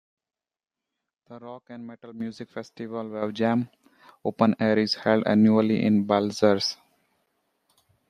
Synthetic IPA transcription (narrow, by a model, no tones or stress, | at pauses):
d̪̥əɾɔːkæ̃ɳɖmeʈəlmjuːzɪkfesʈiʋəlʋɛʋd͡ʒæ̃m | oːpə̃neːəɾɪzhɛlɖæ̰̃njuəliʔɪ̰̃nbalzəɾs